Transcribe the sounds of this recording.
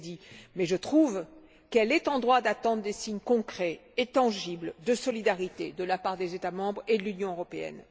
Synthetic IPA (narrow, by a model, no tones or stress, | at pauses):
d̪imɛʒət̪χuv | kɛlɛt̪ɑ̃d̪ʁwad̪at̪ɑ̃d̪ʁd̪esiɲkɔ̃kχɛːt̪ɑ̃ʒibld̪əsɔlid̪aʁit̪ed̪əlapaʁd̪ezet̪amɑ̃bʁed̪əlynjɔ̃øʁɔpeɛ̰n